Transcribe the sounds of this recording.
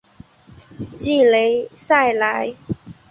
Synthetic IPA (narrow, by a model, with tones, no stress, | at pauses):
t͡ɕi˥˩le˨˧˥ɪsa˥˩ɪla˨˥j